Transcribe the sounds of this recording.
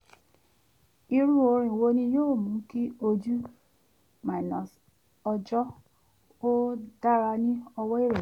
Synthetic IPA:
i˧ɾu˦o˧ɾ̃ĩ˨wo˧nĩ˧joː˦˨mũ˨˦ki˦o˧d͡ʒu˦ | mã˨nɔ̃˨s | ɔ˧d͡ʒɔ˦ | o˦da˦ɾa˧nĩ˦ɔ˧wɔ˦i˦ɾe˨

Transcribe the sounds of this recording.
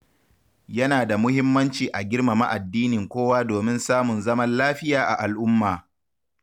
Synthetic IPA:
jɐ˦naː˨da˨mʊ˦hɪ˦mːɐ˦nt͡ʃiː˨ʔa˨ɡʲɪ˦ɽma˨ma̰˦ʔa˨dːiː˦nɪ˨ŋkʷoː˦waː˦doː˨mɪ˦nsaː˦mʊ˨nzɐ˦mɐ˦nlaː˦ɸɪ˦jaː˨ʔa˨ʔa˨lʔʊ˦mːaː˨

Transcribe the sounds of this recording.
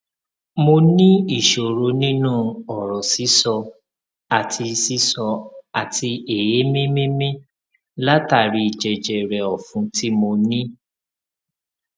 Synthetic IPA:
mo˧nĩ˦i˦˨ʃo˨ɾo˧˦nĩ˦nũ˦˨ɔ˨ɾɔ˨si˨˦sɔ˧ | a˨tʰi˧si˦sɔ˧a˨ti˧e˨je˨˦mĩ˦mĩ˦mĩ˦ | la˦ta˦˨ɾi˧i˨d͡ʒɛ˨d͡ʒɛ˨ɾɛ˨ɔ˨fũ˨˦ti˦mo˧nĩ˦

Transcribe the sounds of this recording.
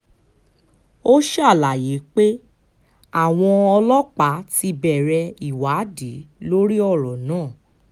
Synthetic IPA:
o˦ʃɛ˦a˦˨la˨je˨˦k͡pe˦ | a˦˨w̃ɔ̃˧ɔ˧lɔ˦k͡pa˨˦ti˧bɛ˨ɾɛ˧i˨wa˨˦di˨˦lo˦ɾi˦ɔ˦˨ɾɔ˨nãː˦˨

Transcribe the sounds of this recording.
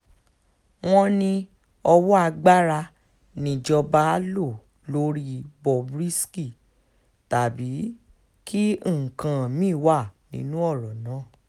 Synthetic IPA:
w̃ɔ̃˦nĩ˧ | ɔ˧wɔ˦a˧ɡ͡ba˦ɾa˧ | nĩ˨˧˨d͡ʒɔ˧ba˦lo˦˨ | lo˨˦ɾi˦bɔ˨bɾi˦ski˦˨ | ta˨bi˨˦ | ki˦˨kã˨mĩː˦˨wa˦˨nḭ̃˨˦nũ˦ɔ˦˨ɾɔ˨nãː˨˦˨

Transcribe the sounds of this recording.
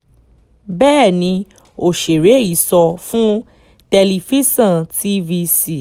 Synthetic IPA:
bɛː˦˨nĩ˧ | o˨ʃe˨ɾe˨˦i˦˨sɔ˧fũ˦ | tɛ˧li˧fi˦sã˦˨ti˦vi˧si˦˨

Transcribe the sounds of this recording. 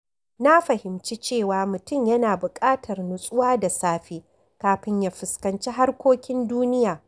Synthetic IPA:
na˦ɸɐ˨hɪ˨mt͡ʃi˦t͡ʃeː˦˨waː˨mʊ˨tʊ˦˨mjɐ˦naː˨bʊ˨kʼaː˦tʰɐ˨rnʊ˨sʼʊ˦waː˦da˨saː˦ɸeː˦ | kaː˨ɸɪ˦ɲjaː˦ɸɪ˨skɐ˨nt͡ʃi˦ɦa˦rkʷoː˦kʲɪ˦nduː˦nɪ˦jaː˨

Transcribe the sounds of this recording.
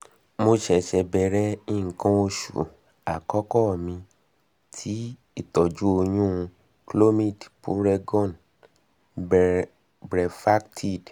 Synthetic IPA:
mo˧ʃɛ˨ʃɛ˧bɛ˧ɾɛ˦ĩ˦˨kã˦o˧ʃṵ˨ | a˨kɔ˦kɔ˦˨mĩ˧ | tʰi˦ | i˦˨tɔ˨d͡ʒu˦o˧j̃ũ˦˧ | klo˦mĩ˦˨dpṵ˦ɾɛ˧ɡɔ̃˦˨n | bɾɛ˨fa˦ktʰi˦˨d

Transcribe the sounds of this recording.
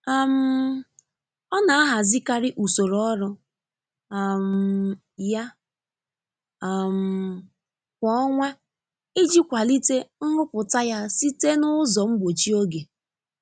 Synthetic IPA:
a˨m̩˦ | ɔ˦na˨a˦ɦa˨zi˦ka˦ɾɪ˦ʔu˨so˨ɾɔ˦ɾʊ˦˨ | m̩˨ | ja˦˨ | m̩˨ | kʷɔ˦ɔ˦ŋʷɛ˦ | ɪ˦d͡ʒi˦kʷa˨li˦te˦ŋ̩˦ŋʊ˦pʊ˨ta˦ja˦si˦te˦nʊ˦zɔ˨m̩˦bo˨t͡ʃi˦o˦ɡe˨

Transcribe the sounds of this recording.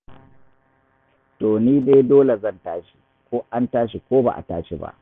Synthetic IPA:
toː˨niː˦neː˦jdoː˦le˨zɐ˦˨ntaː˦ʃi̥˨ | kʷoː˦ʔa˦ntaː˦ʃ̬i˨kʷoː˦ba̰˨ʔa̰˨ta̰ː˦ʃi˨ba̰˦ʔ

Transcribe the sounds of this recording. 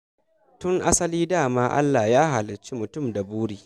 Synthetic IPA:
tʊ˦ŋʔa˦sɐ˦liː˦daː˦˨maː˦ʔa̰˦lːaː˨jaː˦ɦa˨lɪ˨t͡ʃi˦mʊ˨tʊ˦˨mda˨buː˦ɽiː˨

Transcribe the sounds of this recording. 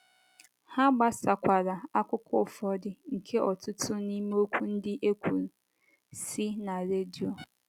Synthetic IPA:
ha˦ɡ͡ba˦sa˨kʷa˨ɾa˨a˦kʷʊ˦kʰʊ˦˨fɔ˦dɪ˨˦ŋ̩˨kʰe˦ʔɔ˨tʊ˦tʰʊ˦ni˦me˦o˦kʷu˦n̩˦dɪ˦ʔe˦kʷʰu˨ɾ | si˦na˨ɾe˦di˨o˨

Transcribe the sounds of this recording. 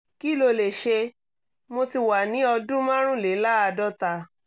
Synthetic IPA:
ki˦˨lo˧le˨ʃe˧ | mo˧ti˧wa˨nĩ˨˦ɔ˧dũ˦mã˦ɾ̃ũ˦˨le˨˦la˦a˧dɔ˦ta˧

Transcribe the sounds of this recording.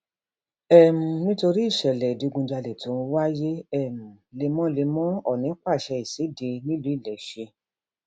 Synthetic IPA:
ɛ˦˨m̩̃˨nĩ˦to˧ɾi˦i˦˨ʃɛ˨lɛ˨di˨˧ɡũ˧d͡ʒa˧lɛ˨to˨˦ũ˧wa˦je˦ɛ˦˨m̩̃˨le˧mɔ̃˦le˧mɔ̃˦ɔ˦˨nĩ˨˦k͡pa˦˨ʃɛ˧i˨se˨˦de˧nĩ˦lu˨˦i˦˨lɛ˨ʃe˧

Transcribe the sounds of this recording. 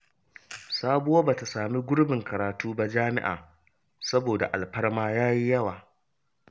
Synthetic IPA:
saː˦bʊ˦waː˦ba˨ta˨saː˨mi˦ɡʷʊ˦ɽbɪ˨ŋkɐ˨ɾaː˨tuː˦ba˦d͡ʒaː˦mɪ̰˦ʔa̰ː˨ | sɐ˦boː˨da̰˨ʔa˨lɸɐ˦ɽmaː˦jaː˦ji˦jɐ˦waː˨

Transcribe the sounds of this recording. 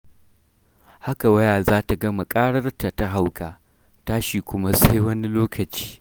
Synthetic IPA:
ha˦ka˨wɐ˦jaː˨zaː˦ta˨ɡɐ˦ma˨kʼaː˦ɽɐ˦rta˨ta˦ɦa˦wkaː˨ | taː˦ʃi˨kʷʊ˦ma˦sʼa˦jwɐ˦ni˦loː˦kʰɐ˨t͡ʃi̥ː˦

